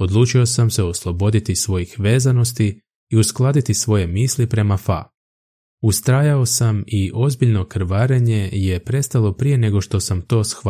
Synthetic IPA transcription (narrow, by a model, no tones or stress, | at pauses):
o̞d̪lˠuːt͡ʃio̞samse̞o̞slˠo̞bo̞d̪it̪isʋo̞jixʋe̞ːzano̞st̪iː | usklˠaːd̪it̪isʋo̞je̞miːslipɾe̞mafa̰ | ust̪ɾaːjao̞samiʔo̞zbiʎno̞kɾʋaːɾeɲe̞je̞pɾe̞st̪alˠo̞pɾije̞ne̞ɡo̞ʃt̪o̞samt̪o̞ːsx